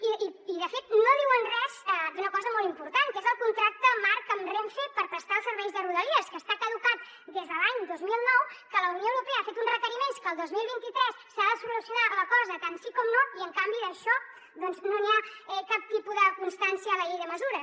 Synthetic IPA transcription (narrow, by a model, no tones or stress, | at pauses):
iiiðəfet̪noðiwənrɛzɛiunəkɔzəmɔlˠimpuɾt̪aŋkezəlˠkunt̪ɾak̚t̪əmaɾkəmreɱfepəɾpɾəst̪aəlˠsəɾβɛjzðəruðəliəskəst̪ak̪əðukat̪ | d̪ezðəlaɲd̪ozmilˠnɔwkələunjoəwɾupeəafet̪unzrəkəɾimenskəːlˠd̪ozmilˠβint̪it̪ɾɛsːaðəsulusjunaləkɔzət̪ansikɔmnoiəŋkambiðəʃɔ | ðɔnznoniaɛkap̚t̪ipuðəkunst̪ansiəːləʎejðəməzuɾəs